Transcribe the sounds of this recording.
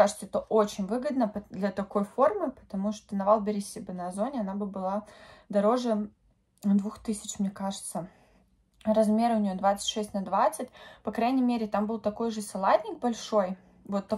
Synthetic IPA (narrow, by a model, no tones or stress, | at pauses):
aʐɨt̪səɛt̪əʔot͡ɕɪnʲvɨɡəd̪nəd̪lʲɐt̪ɐko̞jfo̞rmɨpə̥t̪ɐmuʂt̪onɐvalˠbʲɪɾʲɪsʲɪbɨnɐzo̞nʲɪɐnabɨbɨlˠad̪ɐɾo̞ʐɨ | d̪vuxt̪ɨsʲɪt͡ɕmnʲekaʐɨt̪sə | rɐzmʲe̞ɾʊnʲɪjo̞d̪vat̪sɨ̥tʲʂɛsʲtʲnɐd̪vat̪sɨt̚ʲpɐkɾajnʲɪjmʲeɾʲɪt̪ambɨlˠt̪ɐko̞jʐɨsɐlˠat̪ʲnʲɪk̚bɐlʲʂo̞j | vo̞t̪ːɐ